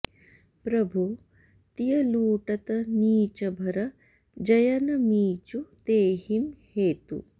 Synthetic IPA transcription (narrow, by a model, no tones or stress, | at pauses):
pɾɐbʱu | t̪ijɐluːʈɐt̪ɐniːt͡ʃɐbʱɐɾɐ | d͡ʒɐjɐnɐmiːt͡ʃut̪eːhimheːt̪ṵ